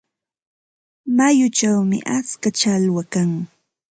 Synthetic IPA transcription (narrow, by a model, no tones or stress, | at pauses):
majʊt͡ʃawmɪ̰ʔat͡skat͡ʃalwakaŋ